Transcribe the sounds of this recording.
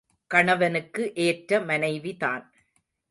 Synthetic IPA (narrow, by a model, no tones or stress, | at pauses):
kɐɳɐʋɐnɯkːɯʔeːʈɾɐmɐnɐɪʋiða̰ːn